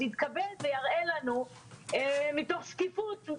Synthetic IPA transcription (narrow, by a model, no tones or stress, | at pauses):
hit̪kabe̞lvejaʁʔelanu | mitoχʃkifut̪